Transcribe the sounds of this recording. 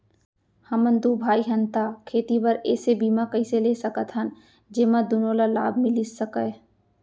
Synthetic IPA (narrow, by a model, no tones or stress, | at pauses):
hɐmə̃nd̪uːbʱaːiɦɐnt̪aːkʰeːt̪ipəɾɛ̰ːsebiːmakɐĩseleːsɐkət̪ɦən | d͡ʒeːmad̪ʊnõːlala̰ːb̚ʱmɪ̃lɪsːəkə